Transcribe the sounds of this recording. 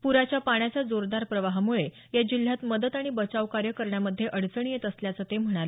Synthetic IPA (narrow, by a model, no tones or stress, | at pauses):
puɾat͡ɕjapaɳ̃jat͡sad͡zoɾd̪aɾpɾəʋaɦmuɭe | jad͡ʑil̤jat̪məd̪ət̪aɽ̃ibət͡saʋkaɾjəkəɾɳjaməd̪ʱːjeʔəɽt͡səɳ̃ijet̪əsljat͡sət̪em̤əɽ̃al